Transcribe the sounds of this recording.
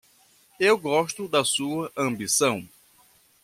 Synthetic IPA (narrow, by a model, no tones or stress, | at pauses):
ewɡɔʃt̪ʊd̪ɐsuɐʔɐ̃mbisɐ̃w̃